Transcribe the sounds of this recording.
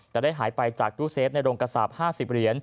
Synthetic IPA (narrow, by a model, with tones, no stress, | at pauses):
t̪ɛː˨˩da˥˩jɦaː˩˦jpa˧jt͡ɕaː˨˩k̚t̪ʰuː˦˥seː˦˥t̪̚na˧jɾoː˧ŋka˧sa̰˨˩p̚haː˥˩si˨˩p̚ɾi˩˦ən